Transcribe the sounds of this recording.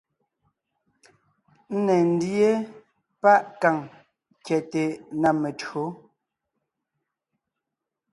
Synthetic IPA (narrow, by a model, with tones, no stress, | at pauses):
n̩˦nɛ˨n̩˦dje˦ | pa˦ʔka˨ŋ | kjɛ˨te˨na˨me˨tɰo˨˦